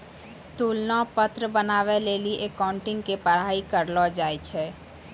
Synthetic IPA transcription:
t̪uːlnãpət̪ɾəbənaːʋeleːliʔeːkaːʊ̃ɳʈɪ̃ŋɡkepəɾaːikəɾlɔd͡ʒaːet͡ʃʰɛː

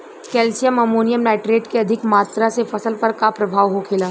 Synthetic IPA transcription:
kɛːlsijəmɐmoːnijəmlɛːʈɾeːʈkeɐd̪ʱɪkmaːt̪ɾasefɐsəlpəɾkapɾɐbʱaːʋɦokʰeːlaː

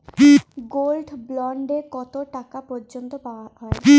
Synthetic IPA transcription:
ɡolɖblɔɳɖekɔt̪oʈakapɔɾd͡ʑont̪opawaɦɔe

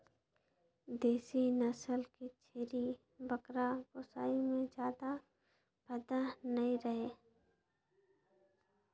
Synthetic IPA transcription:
d̪eːsinəsəlkit͡ʃʰeːɾi | bəkɾabʊsaːimẽd͡ʒjaːd̪a | bəd̪anəĩɾəɦeː

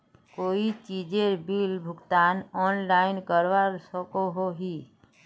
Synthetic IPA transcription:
koːit͡ʃiːd͡ʒeɾbilbʱʊɡt̪aːnɔːnlaːɪnkəɾʋaɾsəkoɦoɦi

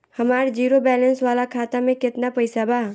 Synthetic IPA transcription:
hɐmaːɾd͡ʒiːɾobɛːlə̃nsʋaːlakʰaːt̪amẽkɪt̪napɐɪsabʱaː

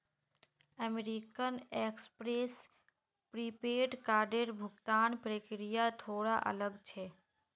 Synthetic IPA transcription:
əmeɾikənekspɾes | pɾipeʈkaɾɖeɾbʱuɡt̪anpɾəkɾijat̪ʰoɽaʔə̰ləɡt͡ʃʰɛ

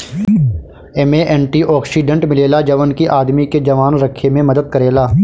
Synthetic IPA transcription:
emeʔɛ̃ːɳʈiʔɔːksiɖə̃ɳʈmɪleːlad͡ʒɐʋənkiʔaːd̪miked͡ʒɐʋaːnɾɐkʰːemẽmɐd̪əd̪̚kəɾeːlaː

